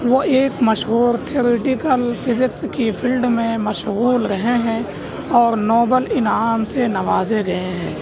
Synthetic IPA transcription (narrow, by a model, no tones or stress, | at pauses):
ʋoʔeːkmɐʃɦuːɾt̪ʰioːɾeʈɪkəlpʰɪzɪkskipʰɪlɖmẽmɐʃɣuːlɾɐɦeɦɛ̃ | ɔːɾnɔːbəlɪnaːmsenɐʋaːzeɡɐɦeɦɛ̃ː